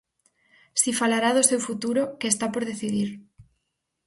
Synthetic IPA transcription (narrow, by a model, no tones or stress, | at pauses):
sifalaɾaðosewfut̪uɾokeːst̪apoɾð̞eθiðiɾ